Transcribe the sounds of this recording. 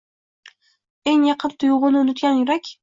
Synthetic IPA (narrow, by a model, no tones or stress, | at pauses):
eŋjɑqʰɨnt̪ʰʊjʁʊlˠɪʊnʊt̪̚ɡʲanjʊɾakʲ